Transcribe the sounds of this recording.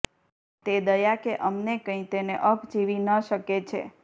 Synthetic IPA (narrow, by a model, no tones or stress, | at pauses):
t̪ed̪əjakeʔəmnekə̃ĩt̪eneʔəpʰd͡ʒiʋinəʃəket͡ʃʰḛ